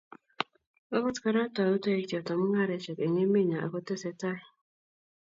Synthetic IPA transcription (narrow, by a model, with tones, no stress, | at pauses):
o˦kɔ˦tka˦ɾa˦tɔ˨u˦to˦e˦˨ɔ˨tɔ˨mu˦ŋa˦ɾe˨t͡ʃe˨ke˨ɲe˦me˦˨ɲa˨ʔa̰˨ko˦te˦se˨ta˦i˨